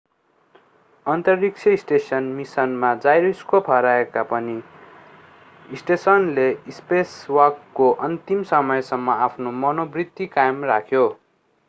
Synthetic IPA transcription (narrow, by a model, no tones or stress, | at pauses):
ʌnt̪ʌrːik̚t͡sʰjʌisʈesʌnmisʌnmad͡zajɾiskopʰʌɾaekapʌni | isʈesʌnleispeswʌrkːoʔʌnt̪imsʌmʌjsʌmːʌapʰnomʌnobrit̪ːikajmrakʰjo